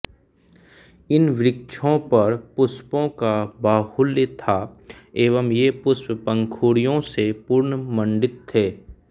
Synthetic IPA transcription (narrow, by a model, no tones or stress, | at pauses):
ɪnʋɪɾɪk̚ʃʰõpɐɾpʊspõkabaːhʊljt̪ʰaːeːʋəmjepʊsppə̃ŋkʰuːɽijõsepuːɾnəmə̃ɳɖɪt̪ʰːeː